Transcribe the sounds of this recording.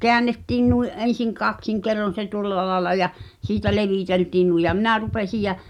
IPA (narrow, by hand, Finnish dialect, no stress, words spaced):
keænːetːiːn nuiʔ ʔen̞siŋ kɑksiŋ kerːon̞ se tuŏlːɑ lɑelɑ jɑ siːtæ leʋiˑteltiːn nui jɑ minæ rupesij jæ